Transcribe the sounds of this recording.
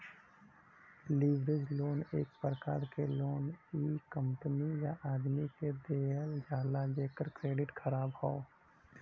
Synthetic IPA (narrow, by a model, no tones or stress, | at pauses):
liːʋɾed͡ʒloːneːk̚pɾəkaːɾkeloːniːkə̃mpənijaʔaːd̪miked̪eːəld͡ʒaːlad͡ʒeːkəɾkɾeːɖɪʈxʰəɾaːbɦoo